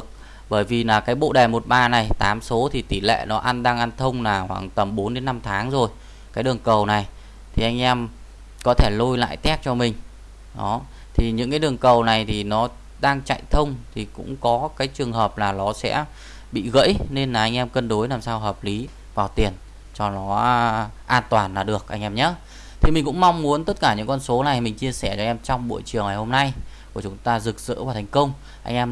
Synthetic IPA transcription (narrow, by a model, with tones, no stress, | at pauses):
k̚ | ɓəː˧˩jvi˨˩laː˨˩kaː˨˦jɓo̰˧˨ɗɛː˨˩mo˨˩t̚ɓaː˧na˨˩jt̪aː˨˦mso˨˦t̪ʰi˨˩t̪i˧˩lḛ˧˨nɔ˨˦ʔa˧nɗaː˧ŋʔa˧nt̪ʰə˧wŋ͡mlaː˨˩hwaː˧˩ŋt̪ə˨˩mɓo˨˦nɗe˨˦nːa˧mt̪ʰaː˨˦ŋzo˨˩j | kaː˨˦jɗɨ˨˩əŋkə˨˩wna˨˩j | t̪ʰi˨˩ʔa˧ŋ̟ʔɛ˧m | kɔ˨˦t̪ʰe˧˩lu˧jla̰ː˧˨jt̪ɛ˦˥p̚t͡ɕɔ˧mï˨˩ŋ̟ | ɗɔ˨˦ | t̪ʰi˨˩ɲɨ̰˧˥ŋkaː˨˦jɗɨ˨˩əŋkə˨˩wna˨˩jt̪ʰi˨˩nɔ˨˦ | ɗaː˧ŋt͡ɕa̰˧˨jt̪ʰə˧wŋ͡mt̪ʰi˨˩kʊ̰˧˥ŋ͡mkɔ˨˦kaː˨˦jt͡ɕɨ˨˩əŋɦəː˨˩p̚laː˨˩nɔ˨˦sɛ̰˧˥ | ɓḭ˧˨ɣə̰˧˥jne˧nlaː˨˩ʔa˧jŋ̟ʔɛ˧mkə˧nɗo˨˦jlaː˨˩msaː˧wɦəː˨˩p̚li˨˦ | vaː˨˩wt̪i˨˩ən | t͡ɕɔ˧nɔ˨˦ʔaː˧nt̪waː˨˩nlaː˨˩ɗɨ˨˩ək̚ʔa˧ŋʔɛ˧mɲa˨˦˥ | t̪ʰi˨˩mi̟˨˩kʊ̰˧˥ŋ͡mma˧wŋ͡mmu˨˦ənt̪ə˦˥t̚kaː˧˩ɲɨ̰˧˥ŋkɔ˧nso˨˦na˨˩jmï˨˩ŋ̟t͡ɕi˧əsɛ˧˩t͡ɕɔ̟˧ʔɛ˧mt͡ɕɔ˧wŋ͡mɓo̰˧˨jt͡ɕɨ˨˩əŋaː˨˩jho˧mna˧jku˧˩t͡ɕʊ˨˦ŋ͡mt̪aː˧zɨ˨˩k̚z̥ɨ̰˧˥vaː˨˩t̪ʰa˨˩ŋ̟kə˧wŋ͡m | ʔa̰˧ŋ̟ʔɛ˧m